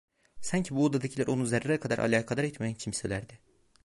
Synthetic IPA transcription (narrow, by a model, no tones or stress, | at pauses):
saɲcʰibuod̪ad̪acʰilʲæɾʔo̞nuzeɾaɾɛkʰad̪aɾʔa̰lʲaːkʰalˠaɾɛt̪meænt͡ʃʰimselʲæɾd̪ɪ